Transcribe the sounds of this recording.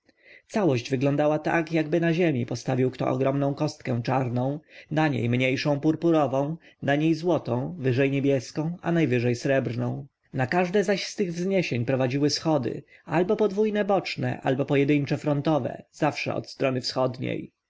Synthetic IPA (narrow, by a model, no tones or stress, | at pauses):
t̪sawɔʑd͡ʑvɘɡlɔnd̪awat̪a̰kjaɡbɘnaʑemʲipɔst̪avʲiwkt̪ɔ̰ʔɔ̰ɡɾɔmnɔ̃w̃kɔst̪̚kɛ̃w̃t͡ʂaɾnɔ̃w̃naɲḛjmɲejʂɔ̃w̃puɾpuɾɔvɔ̃w̃naɲejzwɔt̪ɔ̃w̃vɘʐɛjɲebʲjɛskɔ̃w̃a̰najvɘʐɛjsɾɛbɾnɔ̃w̃ | nakaʐd̪ɛzaɕst̪ɘɣvzɲeɕeɲpɾɔvad͡ʑiwɘsxɔd̪ɘ̰albɔpɔd̪vujnɛbɔt͡ʂnɛ̰ʔa̰lbɔpɔjɛd̪ɘɲt͡ʂɛfɾɔnt̪ɔvɛ̰z̥afʂɛ̰ɔ̰t̪st̪ɾɔnɘfsxɔd̪ɲḛj